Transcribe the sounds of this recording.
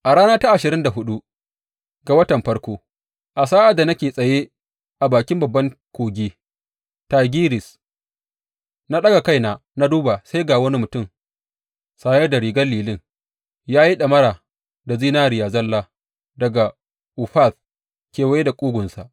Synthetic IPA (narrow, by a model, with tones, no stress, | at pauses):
ʔa˨ɽaː˦naː˦ta˦ʔa˨ʃɪ˨ɾɪ˦nda˨ɦʊ˦ɗu˦ | ɡa˨wɐ˦tɐ˨mɸɐ˦rkʷoː˦ | ʔa˨saː˦ʔa˨da˨nɐ˦kʲeː˨sʼɐ˨je˦ | ʔa˨baː˨kʲɪ˦mbɐ˨bːɐ˦ŋkʷoː˨ɡʲeː˦ | taː˨ɡʲiː˦ɾɪ˨s | na˦ɗɐ˦ɡa˨ka˦jnaː˨ | na˦duː˦ba˨sa˦jɡaː˨wɐ˦ni˦mʊ˨tʊ˦˨m | saː˨jɛ˦da˨ɾiː˨ɡɐ˦lːiː˨lɪ˦ŋ | jaː˦ji˦ɗɐ˨mɐ˦ɾaː˨ | da˨ziː˦naː˦ɾɪ˨jaː˨zɐ˦lːaː˦ | dɐ˨ɡa˨ | ʔu˨ɸa˦˨θ | kʲeː˨wɐ˦je˦da˨kʷʼuː˦ɡʷʊ˨nsa˨ʔ